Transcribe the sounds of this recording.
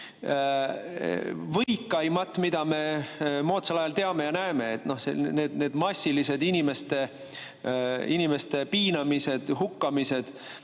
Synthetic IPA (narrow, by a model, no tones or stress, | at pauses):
vɤjkːˑɑjmɑt̪ːˑmid̪̥ɑme̞mo̞ːt̪selɑjɑlt̪e̞ɑme̞jɑnæeme̞ːt̪ːno̞hsḛne̞ːd̪̥neːd̪mɑsʲːilise̞d̪inime̞st̪e̞ | inime̞st̪e̞piːnɑmise̞d̪̥ɦukːɑmise̞d̪̥